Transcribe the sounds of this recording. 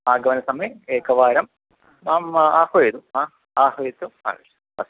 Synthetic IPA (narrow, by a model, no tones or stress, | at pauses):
aːɡɐʋɐnɐsɐmeeːkɐʋaːɾɐm | aːmaːhoed̪uaː | aːɦoit̪ːua̰ | ɐ̰s